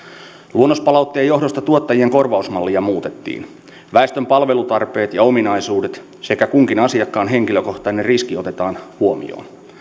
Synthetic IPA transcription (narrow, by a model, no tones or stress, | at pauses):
luonːospɑlɑwt̪ːeːjo̞hɦdo̞st̪ɑt̪uot̪ːɑjieŋko̞rʋɑusmɑlːijɑmuːt̪e̞t̪ːḭːn | ʋæest̪ømpɑlʋe̞lut̪ɑrpe̞ːt̪jɑo̞minɑisuːdet̪ | se̞kækuŋkinɑsiɑkːɑːnɦe̞ŋkiløko̞ht̪ɑnerriskio̞t̪e̞t̪ɑːnhuomḭo̰ːn